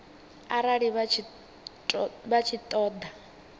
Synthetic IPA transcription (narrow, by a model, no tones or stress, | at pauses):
aɾaɺiβʰ | bat͡ʃʰit̪ʼɔːd̪a